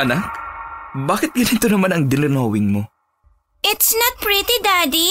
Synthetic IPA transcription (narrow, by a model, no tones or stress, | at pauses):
ʔɐnak̚ | baːkɪt̪̚ɡɐnɪt̪onɐmanɐŋd̪ɪnɪɾnɐwɪŋmo | ɪt̪snɐt̪̚pɾit̪id̪ad̪i